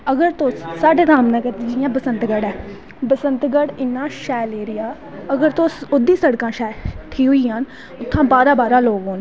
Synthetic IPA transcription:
əɡəɾt̪osaːɖeːnaːmnɛ̃ːkət̪iːd͡ʒɪjãːbəsənt̪ɡəɽɛː | bəsənt̪ɡəɽɪnːãːʃɛːleːɾɪjaː | əɡəɾt̪õːsʊd̪iːsəɽkãːʃɛːʈʰiːɦʊiːɦən | ʊt̪ʰːãːbaːɾãːbaːɾãːloːɡɦoːn

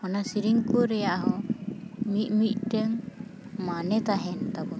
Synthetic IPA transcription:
ɔnasiɾiŋkuɾɛjaʔɦɔ | mit̪̚ˀmit̪̚ˀʈɛŋ | manɛt̪aɦɛnt̪abɔ

